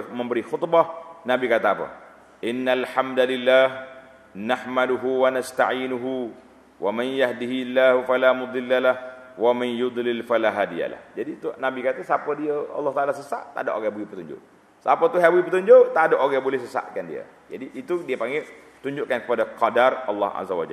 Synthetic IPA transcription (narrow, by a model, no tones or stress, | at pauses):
məmbəɾixʊt̪bɑhnabikat̪aːpə̰ | ʔɪnːalħamd̪alilːaːh | nahmaduɦuwanast̪a̰ʕiːnuɦu | wʔamanjahdiɦilːahufalamud̪ˤɪlːalahwamanjud̪ˤlɪlfalaɦaːdija̰la̰hd͡ʒadit̪unabikat̪asapədiaɑ̰lːɑht̪aʔalasəsa̰ʔt̪a̰daʔoɣabuipət̪uɲd͡ʒʊ̰ʔ | sapət̪uɦabuipət̪uɲd͡ʒot̪adaʔoɡabolɛhsəsa̰ʔkandḭa̰ | d͡ʒadiʔːt̪udiapaŋɡɛ | t̪uɲd͡ʒʊʔkankə̥padakadarɑ̰lːɑ̰ha̰zawa̰d͡ʒa̰l